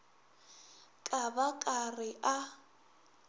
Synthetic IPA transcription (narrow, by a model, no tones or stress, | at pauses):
kʼabakʼarɪʔa